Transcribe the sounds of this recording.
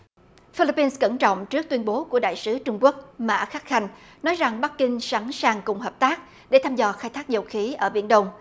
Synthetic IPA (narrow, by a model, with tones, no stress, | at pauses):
fi˧li˧˥pːi˧nskə˧˩nt͡ɕɔ̰˧˨wŋ͡mt͡ɕɨ˦˥k̚t̪wi˧ənɓo˨˦ku˧˩əɗa̰ː˧˨jsɨ˨˦t͡ɕʊ˧ŋ͡mku˦˥ək̚ma̰ː˧˥xaː˦˥t̚xa˧jŋ̟ | nɔ˨˦jza˨˩ŋɓa˦˥k̚kːï˧ŋ̟sa˨˦ŋsaː˨˩ŋkʊ˨˩ŋ͡mɦəː˨˩p̚t̪aː˦˥k̚ | ɗe˧˩t̪ʰaː˧mzɔ˧˩xaː˧jt̪ʰaː˦˥k̚zə˧˩wxi˨˦ʔəː˧˩ɓḭ˧˩ənɗə˧wŋ͡m